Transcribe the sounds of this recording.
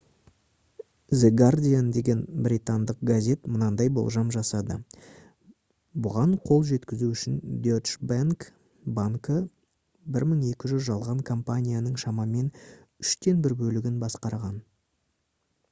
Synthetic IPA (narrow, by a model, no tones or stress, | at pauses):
zeɡard̪ʲijand̪e̞ɡʲe̞nbɾʲit̪and̪əq̚ɡazʲe̞t̪mənɑnd̪ɑjbo̞̰lˠʒɑmʒɑsɑd̪ə̰ | bʊʁɑɴqʰo̞lˠʒe̞t̪kʲɪzuʏʃɪnd̪ʲot͡ʃbaŋk | baŋkə | bɪɾməɴe̞kʲɪʒʏzʒɑlˠʁɑŋkʰo̞mpanʲijanəɴʃɑmɑme̞n | ʏʃt̪e̞nbɪɾbɵlɪɡʲɪnbɑsqɑɾʁɑn